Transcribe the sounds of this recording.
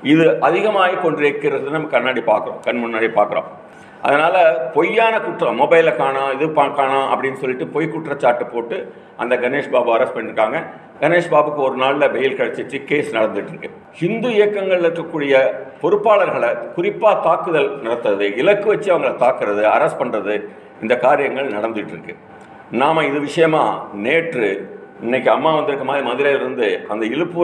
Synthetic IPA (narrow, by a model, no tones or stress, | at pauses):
ɪðɯʔɐðɪɣɐmaːɣikɔɳɖeːɾkːɪɾɐðɯnɐmːɐkːɐnːaːɽipaːɾkɯɾõ̰kɐnmʊnːaːɽipaːɾkɯɾõ̰ː | ʔɐ̰ðɐnaːlɐpɔjːaːnɐkʊʈːrɐ̃mɔbɐɪlɐkːaːnãːɪðɯpaːkaːnãːɐpːɐɽɪnːɯsɔlːɪʈːɯpɔjkʊʈrɐt͡ʃːaːɾʈːɯpoːʈːɯ | ʔɐ̰nd̪ɐɡɐneːʂbaːbɯɐɾɐspɐnːɪɾɯkːaːŋɡɐ | ɡ̥ɐneːʂbaːbɯkːɯɔɾɯnaːɭlɐbɛjɪlkɐɽɐt͡ʃːɪt͡ʃːɯkeːsnɐɽɐnd̪ɯɪʈːɾɯkːɯ | hɪnd̪uɪjɐkːɐŋɡɐɭɪlɪɾkːɐkːuːɽɪjɐpɔɾɯpːaːɭɐɾɣɐɭɐkʊrɪpːaːt̪aːkɯðɐlnɐɽɐt̪ːɐðɯɪlɐkːɯʋɐt͡ʃːɯɐʋɐŋɡɐɭɐt̪aːkɯɾɐðɯɐ̰ɾɐs̚pɐɳrɐðɯ | ɪnd̪ɐkaːɾɪjɐŋɡɐɭnɐɽɐnd̪ɯʈːɾɯkːɯ | naːmɐɪðɯʋɪʂɐjɐmaːneːʈrɯɪnːɛk̬ːɯɐmːaːʋɐnd̪ɯɾɯkːɐmaːðɾimɐðɪɾɐːlɪɾɯnd̪ɯʔɐnd̪ɐɪɻɯpːɯ